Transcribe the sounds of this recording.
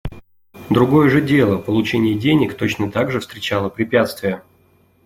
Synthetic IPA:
d̪ɾʊɡo̞jəʐɨdʲe̞lˠəpəlˠʊt͡ɕenʲɪjɪdʲenʲɪkt̪o̞t͡ɕnət̪aɡʐɨfst̪ɾʲɪt͡ɕalˠəpɾʲɪpʲat̪st̪vʲɪjə

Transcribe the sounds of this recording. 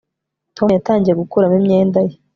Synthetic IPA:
to̞mjataːɲɟijeɡukuɾamimɲe̞ːndaje

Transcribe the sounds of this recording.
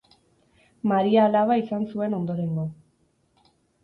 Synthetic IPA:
maɾiaːlaβaisansue̞no̞nd̪o̞ɾe̞ŋɡo

